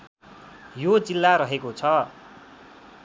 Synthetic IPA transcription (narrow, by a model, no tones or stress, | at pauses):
jod͡zilːaɾʌɦekot͡sʰʌ